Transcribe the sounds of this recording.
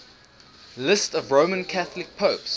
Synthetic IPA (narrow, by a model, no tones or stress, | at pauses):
lɪstəvɹõʊmə̃nkʰaθəlɪk̚pʰəʊps